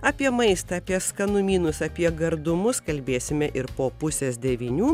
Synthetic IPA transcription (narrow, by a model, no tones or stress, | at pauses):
ɐːpʲiɛmɐɪst̪ɐːpʲiɛskɐnʊmʲiːnʊsɐpʲiɛɡɐɾd̪ʊmʊskɐlʲbʲeːsʲɪmʲɛʔɪɾpoːpʊsʲeːsd̪ʲɛʋʲinʲuː